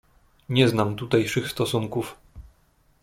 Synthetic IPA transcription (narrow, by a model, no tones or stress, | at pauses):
ɲɛznamt̪ut̪ajʂɘxst̪ɔsuŋkuf